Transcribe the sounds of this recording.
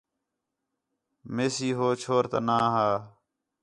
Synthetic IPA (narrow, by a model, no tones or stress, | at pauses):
meːsiːɦoːt͡ʃʰoːɾt̪ə̰naːɦaː